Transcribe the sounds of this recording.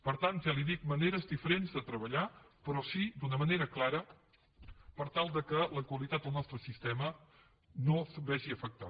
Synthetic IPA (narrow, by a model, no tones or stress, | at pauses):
pəɾt̪ant̪ʒaliðik̚məneɾəzd̪ifəɾenzðət̪ɾəβəʎa | pɾɔsid̪unəməneɾəklaɾə | pəɾt̪alˠd̪əkələkwəlit̪at̪d̪əlˠnɔst̪ɾəsist̪ɛmə | nobɛʒiəfək̚t̪a̰